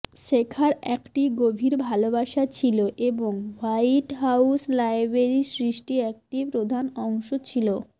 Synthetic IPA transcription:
ʃekʰaɾɛkʈiɡobʱiɾbʱalobaʃat͡ɕʰiloʔeboŋwajʈɦawslajbeɾisɾiʃʈiɛk̚ʈipɾod̪ʱanɔŋʃot͡ɕʰilo

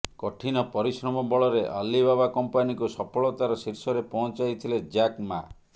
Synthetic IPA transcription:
kɔʈʰinɔpɔɾisɾɔmɔbɔɭɔɾeʔa̰libabakɔmpanikusɔpʰɔɭɔt̪aɾɔsiɾsɔɾepɔɦɔ̃t͡ʃajt̪ʰiled͡ʒakma

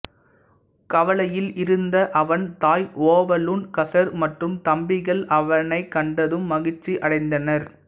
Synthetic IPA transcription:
kɐʋɐlɐjɪlɪɾɯnd̪ɐʔɐʋɐnt̪aːjʔoːʋɐlunkɐsɐɾmɐʈrɯmt̪ɐmbɪɣɐɭɐʋɐnɐɪkːɐɳɖɐðɯmːɐɣɪt͡ʃːiʔɐɽɐɪnd̪ɐnɐɾ

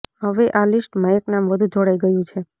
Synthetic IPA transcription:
ɦəʋeʔalɪsʈmãeknamʋəd̪ʱũd͡ʒʱoɽajɡəjũt͡ʃʰe

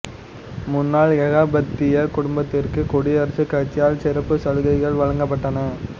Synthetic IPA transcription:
mʊnːaːɭjɐɣaːbɐt̪ːɪjɐkʊɽʊmbɐt̪ːɪrkɯkɔɽɪɐɾɐsɯkːɐt͡ʃːɪjaːlsɪɾɐpːɯsɐɻɯɣɐɪɣɐɭʋɐɻɐŋɡɐpːɐʈːɐnɐ

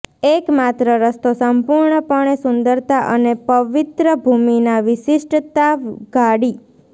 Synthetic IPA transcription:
ekmat̪ɾəɾəst̪osəmpuɾɳəpəɳ̃esʊ̃nd̪əɾt̪aʔənepəʋɪt̪ɾəbʱuminaʋɪsɪʃʈt̪aɡaɽi

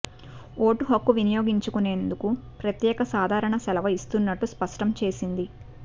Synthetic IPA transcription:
oːʈuɦɐkːuʋinijo̞ːɡiɲt͡ʃukune̞ːnd̪ukupɾɐt̪jɛːkɐsaːd̪ʱaːɾɐɳɐsɛlɐʋɐist̪unːɐʈːuspɐʂʈɐmt͡ʃe̞ːsind̪i

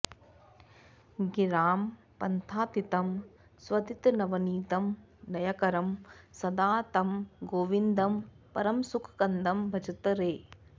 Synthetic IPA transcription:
ɡiɾaːm | pɐnt̪ʰaːt̪it̪ɐm | sʋɐd̪it̪nɐʋɐniːt̪ɐm | nɐjɐkɐɾɐmsɐd̪aːt̪ɐmɡoːʋind̪ɐm | pɐɾɐmsukʰkɐnd̪ɐmbʱɐd͡ʒɐt̪ɐɾeː

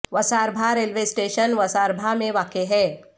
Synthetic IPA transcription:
ʋɐsaːɾbʱaɾeːlʋesʈeːʃənʋɐsaːɾbʱamẽʋaːkeɦɛː

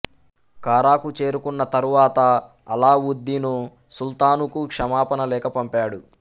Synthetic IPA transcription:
kaːɾaːkut͡ʃe̞ːɾukunːɐt̪ɐɾuʋaːt̪ɐː | laːʋud̪ʱːinu | sult̪aːnukukʂɐmaːpɐnɐlɛːkɐpɐmpaːɽu

